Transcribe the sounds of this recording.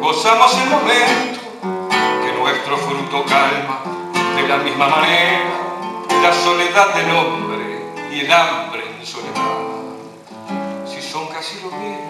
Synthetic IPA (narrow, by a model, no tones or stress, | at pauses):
ɡosamoselmomẽnt̪o | kenoŋɛst̪ɾofɾut̪okalma | ðelamizmamanɛɾalasoleðad̪elɔmbɾeielambɾeðesoleða | sisoŋkasiloβɛm